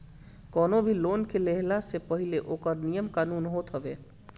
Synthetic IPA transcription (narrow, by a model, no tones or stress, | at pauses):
kɔːnobʱiloːnkeleɦlasepəɦileʔoːkəɾnijəmkaːnuːnɦot̪ɦəbe